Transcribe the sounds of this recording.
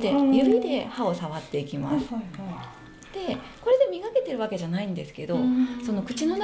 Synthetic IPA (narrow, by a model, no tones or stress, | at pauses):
t̪ejɯbʲid̪e̞hao̞saβat̪ːe̞ikʲima̰sɨ̥ | d̪̥e̞ | ko̞ɾe̞d̪emʲiɡake̞t̪e̞ɾɯ̟βake̞ʑanaĩnd̪e̞sɨ̥ke̞d̪o̞so̞no̞kɯ̟t͡ɕino̞n